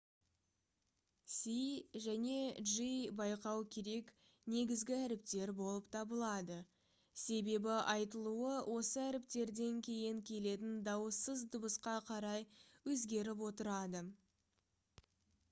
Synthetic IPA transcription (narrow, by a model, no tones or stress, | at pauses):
siʒæne̞ʒibɑjqɑwkʲʰe̞ɾe̞k | ne̞ɡʲɪzɡʲɪæɾɪp̚t̪e̞ɾbo̞lˠəpt̪ʰɑbəlˠɑd̪ə | se̞be̞bɪʔɑjt̪əlˠuəwʔo̞səæɾɪp̚t̪e̞ɾd̪e̞ŋkʲʰe̞jɪŋkʲʰe̞le̞t̪̬ɪnd̪ɑwəsəzd̪ʊbəsqɑqʰɑɾɑjwɵzɡʲe̞ɾɪp̬wo̞t̪əɾɑd̪ə